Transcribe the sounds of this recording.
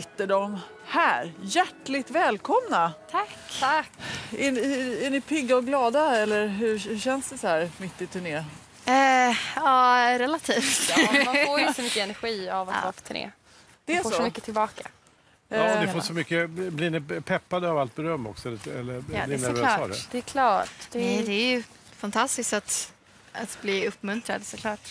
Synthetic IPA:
ɪt̪ːəɖɔm | hæːɾjæʈlɪɡt̪vɛːlkʰɔmnat̪ʰakːakːɛnhæɳɪpʰɪɡːaɔɡlɑːd̪aɛlːəɾɦɵhɵɕɛnsd̪ɛsɔhæːɾmɪt̪ːɪt̪ʰɵɳeː | ɑːɾɛlat̪ʰiːft̪foːɾjsɔmʏkːəɛnæɾɧiːavat̪ːaafɔ̥t̪ʰːɵɳḛː | d̪̥ɛfoːʂɔmʏkːət̪ʰɪlbɑːka̰ | ɑnɪfoːsɔmʏkːəblɪnɪpʰɛpːad̪əavalt̪̚bɛɾœmːɔ̰ksɔɛləɛlːəɾːd̪ɪnæɾɾvɛːlsːdɛ̰d̪̥ɛkʰlɑːʈd̪̥ɛɛd̪ɛæɾjɵ | fant̪ʰast̪ɪskt̪at̪ | at̪bliːɵpːmɵnt̪ɾad̪sɔkʰlɑːʈ

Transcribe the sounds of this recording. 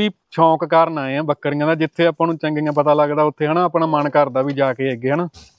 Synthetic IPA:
iː | t͡ʃʰɔ̃ːkkaːɾnaːeːãːbəkːəɾĩːãːd̪aːd͡ʒɪt̪ʰːeːaːpãːnũːt͡ʃɛ̃ŋɡɪːãːp̬ət̪aːləɡd̪aːʊt̪ʰːeːɦənaːpɳãːmənkəɾd̪aːʋiːd͡ʒaːkeːeɡeːɦənaː

